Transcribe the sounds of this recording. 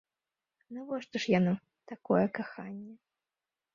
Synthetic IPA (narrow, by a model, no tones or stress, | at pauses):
nɐvɔʂt̪ɔʂjana | t̪akɔjɛkaxanʲːɛ